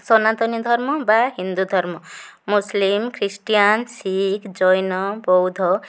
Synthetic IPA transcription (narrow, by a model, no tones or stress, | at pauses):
sʌnat̪ʌnid̪ʱʌɾmʌbaɦind̪ud̪ʱʌɾmʌmuslimkʰɾisʈijansikd͡zʌjnʌbɔwd̪ʱʌ